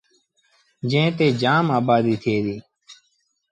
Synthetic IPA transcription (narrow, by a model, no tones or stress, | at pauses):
d͡ʒẽːt̪eːd͡ʒaːmaːbaːd̪iːt̪ʰeːd̪iː